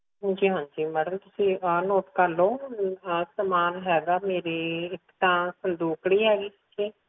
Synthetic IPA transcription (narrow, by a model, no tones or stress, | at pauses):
d͡ʒiːɦãːɲd͡ʒiːməɽəmt̪ʊsĩənoːʈkəlõː | səmaːnɦɛːɡaːmeːɾeɪkt̪ãːsənd̪uːkɽiːɦɛːɡiːsɪʃʰĩː